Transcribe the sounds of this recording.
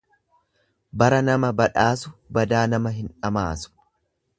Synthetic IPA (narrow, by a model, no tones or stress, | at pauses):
bɐɾɐnɐmɐbɐᶑaːsʊbɐd̪aːnɐmɐɦɪnᶑɐma̰ːsʊ̥